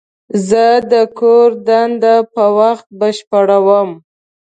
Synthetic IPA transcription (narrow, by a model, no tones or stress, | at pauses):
zəd̪əkoɾd̪and̪apəwaxt̪̚bəʃpəɽawəm